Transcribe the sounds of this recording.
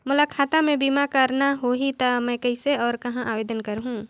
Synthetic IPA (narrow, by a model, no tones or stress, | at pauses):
mʊlakʰaːt̪amẽbiːmakəɾnaɦoːɦit̪amɛ̃ːkɐɪseɔːɾkɐɦãʔaːʋeːd̪ənkəɾɦũː